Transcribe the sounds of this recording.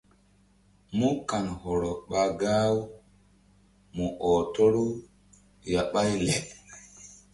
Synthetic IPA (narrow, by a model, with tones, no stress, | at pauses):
mu˦ka˨nhɔ˨ɾɔ˨ɓa˨ɡa˦w | mu˨ʔɔ˨to˦ɾu˦ | ja˨ɓa˦jlɛ˨ʔ